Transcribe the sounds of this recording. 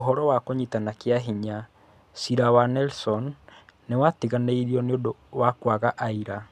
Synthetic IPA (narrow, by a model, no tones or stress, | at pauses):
oɦɔɾɔwakoɲitanakeaɦiɲa | siɾawanɛlsɔnːewatiɣaneiɾiɔneodowakwaɣaʔaiɾa